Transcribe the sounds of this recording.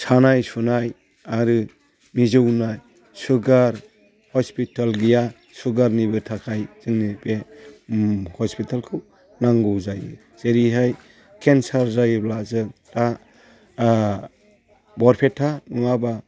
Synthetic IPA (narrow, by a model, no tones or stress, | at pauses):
sʰanajsunaj | aɾɯ | mizɯwnaj | suɡaɾ | hɔspitalɡija | suɡaɾnibɯtʰakʰajz̥ɯŋnibe | hɔspitʰalkʰɯ | naŋɡɯwzajɯ̰ | z̥eɾiɦaj | kʰensaɾzajblazɯ | ɾa | bɔɾpʰetʰanuaba